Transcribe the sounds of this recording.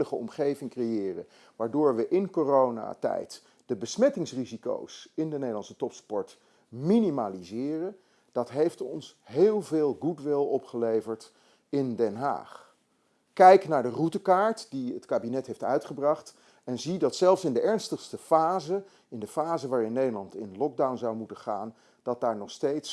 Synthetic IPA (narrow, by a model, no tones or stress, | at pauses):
ləχəɔ̰mχejvɪŋkrejɪːrə̰n | ʋaːɹdʊːɹʋəʔɪnkoːrowna̰ːtɛ̰jt | d̥əbəsmɛtɪŋsriziko̰wsɪndənejdəlɑnsətɔpspɔɹt | minimalizɪːrən | d̥ɑtɦejftɔ̰nsɦeːlˠveːlˠɡudʋɪlˠɔpχəlejvəɹt | ɪndɛnɦa̰ːχ | kɛjknaːɹdərutəkaːɹtdiətkaːbinɛtɦejftœ̰ɥtχəbrɑχt | ɛnzidɑtsɛlˠfsɪndəʔɛɹnstəχstəfaːzə | ɪndəfaːzəʋaːɹɪnːejdəlɑntɪ̰nlɔɡ̚dawnzɑwmutəχa̰ːn | d̥ɑt̚daːɹnɔχstejts